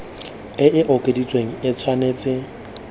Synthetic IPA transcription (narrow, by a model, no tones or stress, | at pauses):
ɪʔɪʔɔkʼedit͡sʼweŋ̩ɪt͡sʰwaneːt͡sʼɪ